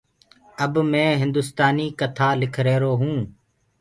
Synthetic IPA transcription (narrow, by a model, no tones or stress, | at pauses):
əbmɛ̃ːɦɪnd̪ʊst̪aːniːkət̪ʰaːlɪkʰɾeːɾoːɦũː